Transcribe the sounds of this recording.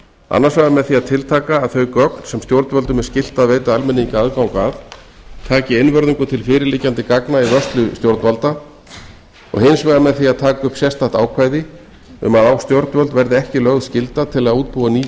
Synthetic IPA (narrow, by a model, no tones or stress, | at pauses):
a̰nːaɾsvaːɣðamɛðθiaðt̪ʰɪlt̪ʰaːkaːðθœɥjkœknsɛmst̪jowɾt̪vœlt̪ʏmɛɾ̥scɪl̥t̪aðveːjt̪aðalmɪnːiŋkaaðkawkvað | t̪ʰaːcɪɪnvœɾðiŋkʏt̪ʰɪlfɪːɾɪɾlɪcːant̪ɪkaknaivœst̪lʏst̪jowɾt̪nvalt̪a | ɔ̰ɣhɪnsvaɣðamɛðθiaðt̪ʰaːkʏpsjɛst̪aht̪aːwkʰvaːjðɪ | ʏ̰maðawst̪jowɾt̪nvœlt̪vɛɾðɪɛhcɪlœɣðscɪlt̪at̪ʰɪlaðuːt̪̚puːaniː